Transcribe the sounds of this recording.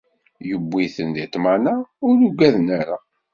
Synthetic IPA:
jəbːiθənðit̪ːmanaʊɾuɡæðnæɾa

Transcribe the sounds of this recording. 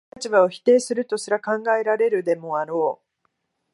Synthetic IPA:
at͡ɕibaoçi̥t̪e̞ːsɨɾɯ̟t̪o̞ɕiɾakãŋɡae̞ɾaɾe̞ɾɯ̟d̪e̞mo̞aɾo̞ː

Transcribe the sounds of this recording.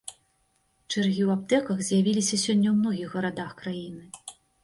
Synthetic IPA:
t͡ʂɨrɣʲiwap̚t̪ɛkɐxzʲjavʲilʲisʲɐsʲɔnʲːɐwmnɔɣʲixɣɐɾad̪axkɾajinɨ

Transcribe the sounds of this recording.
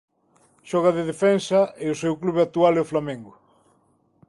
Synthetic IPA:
ʃɔɣaðeðefɛnsɐeʊsewkluβeat̪ualeoflamẽŋɡʊ

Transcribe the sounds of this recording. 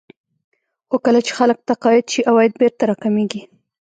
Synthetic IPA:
xokəlat͡ʃe̥xalək̚t̪aqɑjɪd̪ʃiʔawɑjɪd̪̚beɾt̪aɾɑkameɡi

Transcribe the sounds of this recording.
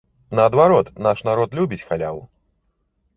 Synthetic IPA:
nɐːd̪vaɾɔt̪naʂnaɾɔt̪lʲubʲit͡sʲxalʲa̰wṵ

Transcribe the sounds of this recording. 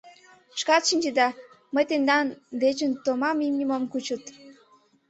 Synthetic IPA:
ʃkɑt̪ʃinʲd͡ʒed̪ɑ | məjt̪end̪ɑnd̪et͡ɕənt̪omɑmimnʲimomkut͡ɕət̪

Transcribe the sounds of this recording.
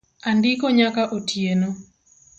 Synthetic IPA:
andɪkoɲakaʔotʰjeno

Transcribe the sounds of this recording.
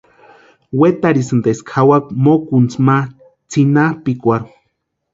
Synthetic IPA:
wet̪aɾisɨnd̪eskʰawak̚mokunt͡sma | t͡sinapikʷaɾu

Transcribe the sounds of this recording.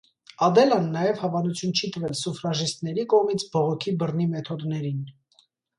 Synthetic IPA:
ɑd̪ɛlɑnːɑjɛvhɑvɑnut͡sʰjunt͡ʃʰit̪əvɛlsufɾɑʒist̪nɛɾikɔʁmit͡sʰbɔʁɔkʰibərnimɛt̪ʰɔd̪nɛɾin

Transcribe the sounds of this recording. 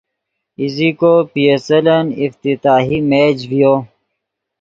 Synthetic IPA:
izikopiesɐlɐnift̪it̪aːɦimed͡ʑvijoː

